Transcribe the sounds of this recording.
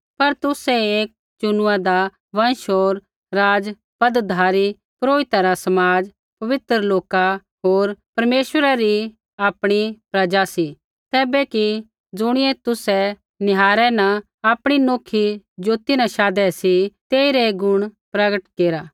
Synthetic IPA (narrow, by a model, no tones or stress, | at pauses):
pɐɾt̪ʊsɛeːk̚ | t͡ʃʊnʊad̪a | ʋɐ̃nʃoːɾ | ɾaːd͡ʒ | pɐd̪d̪ʱaːɾi | pɾoːɪt̪aɾasɐmaːd͡ʒ | pɐʋɪt̪ɾəloːka | ɦoːɾpɐɾmeːʃʋəɾaɾi | aːpɽ̃ipɾɐd͡ʒasi | t̪ɛːbɛki | d͡zʊɽ̃ɪɛt̪ʊsɛ | nɪɦaːɾɛnɐ | aːpɽ̃inoːkʰid͡ʒoːt̪inɐʃaːd̪ɛsit̪eːiɾɛɡʊɽ̃pɾɐɡəʈkeːɾaː